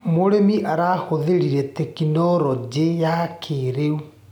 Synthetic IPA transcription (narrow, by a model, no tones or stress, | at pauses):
moɾemiʔaɾaːhoðeɾiɾɛtekinɔɾɔd͡ʑejakʰeɾeu